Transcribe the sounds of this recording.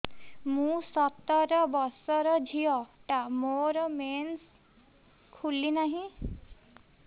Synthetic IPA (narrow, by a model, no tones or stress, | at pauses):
mũsɔt̪ɔɾɔbɔsɔɾɔd͡ʒʱiɔʈamoɾɔmens | kʰulinaɦĩ